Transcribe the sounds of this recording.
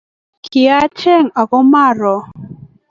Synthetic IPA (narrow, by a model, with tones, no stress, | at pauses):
ki˨a˦t͡ʃɛ˦˨ŋa˨ɣɔ˦ma˦˨ɾɔ˨